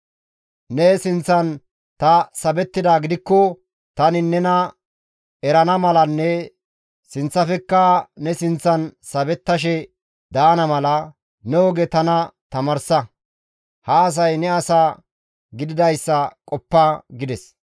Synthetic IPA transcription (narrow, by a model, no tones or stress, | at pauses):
nɛsɪnt͡sːɐn | t̪ɐsɐbɛt̪ːɪd̪aːɡɪd̪ɪkːɔ | t̪ɐnɪnɛnɐ | ɛɾɐnɐmɐlɐnːɛ | sɪnt͡sːɐfɛkːɐnɛsɪnt͡sːɐnsɐbɛt̪ːɐʃ̬ɛ | d̪aːnɐmɐlɐ | nɛɔɡɛt̪ɐnɐt̪ɐmɐɾsɐ | hɐːs̬ɐjnɛɐsaː | ɡɪd̪ɪd̪ɐjsːɐkʼɔpːɐɡɪd̪ɛs